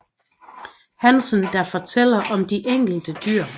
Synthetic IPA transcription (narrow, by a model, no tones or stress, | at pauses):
hænsənd̥ɑfɒt͡sʰel̰ɐʔɒ̽md̥iʔeŋ̰ɡ̥l̩d̥əd̥yɐ̰